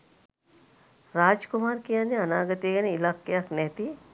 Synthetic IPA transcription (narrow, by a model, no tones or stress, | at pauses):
ɾaːd͡ʒkʊmaːɾkijaːneɐnaːɡət̪eɡɐniɪlaːkːeaknɛːt̪i